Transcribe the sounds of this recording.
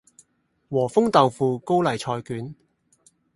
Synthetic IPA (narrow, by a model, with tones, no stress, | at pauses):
wɔː˨˩fʊ˥ŋt̪ɐ˨wfuː˨˧ko˥wlɐ˨jt͡ʃʰɔː˧jkyː˨˥n